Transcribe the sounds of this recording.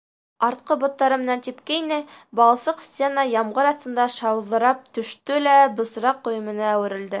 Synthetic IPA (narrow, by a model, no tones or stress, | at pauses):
ɑɾt̪̚qɤbŏt̪ːɑɾɤmɘ̆nænt̪ipkæinɘbɑlˠɑsɤqsʲt̪ʲenɑjɑmʁɤɾɑθt̪ɤ̆nd̪ɑʃɑwðɤ̆ɾɑp̚t̪ɵ̆ʃt̪ɵlæbɤ̆s̆ɾɑqːŏjɤ̆mɤ̆nɑːwɘ̆ɾɘ̆ld̪ɘ